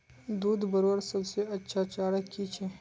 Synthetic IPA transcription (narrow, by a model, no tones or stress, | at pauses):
d̪uːd̪bɐɾowɾsɐbseɐtːʃʰat͡ʃaːɽəkit͡ʃʰe